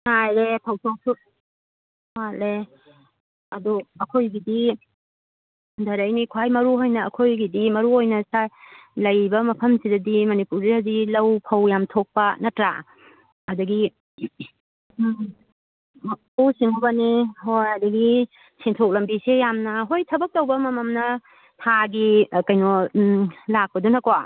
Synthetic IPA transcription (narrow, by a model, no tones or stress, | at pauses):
najɾepʰɐwtʰowsʰu | hale | ɐduɐkʰojɡidi | dɐɾɐjnikʰwajmɐɾuɦojnɐːkʰojɡidimɐɾuojnɐsalɐjbɐmɐpʰɐmsidɐdimɐnipuɾihazilɐwpʰɐwjamtʰok̚pɐnɐtɾa̰ | ɐdɐɡi | puwsiŋʰobɐnihojadɐɡi | siŋtʰok̚lɐmbisejamnɐɦojtʰɐbɐk̚tɐwbɐmɐmɐmnɐ | tʰaɡikɐjnɔ | lak̚pɐdunɐkowa